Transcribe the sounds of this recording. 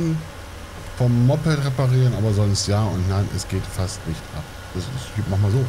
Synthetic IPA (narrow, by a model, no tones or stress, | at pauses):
n | fɔmːɔpɛltʁepaʁiːʁənʔa̰ːbɐzɔnstjaːʊntnaɪnʔɛ̰sɡ̥eːtfastnɪçtʔa̰p̚ | d̥asɪsmaχmaːlzoː